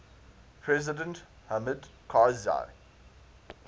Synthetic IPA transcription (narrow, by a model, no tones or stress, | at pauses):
pʰɹɛzɪdə̃nt | hamədkʰaza̰ɪ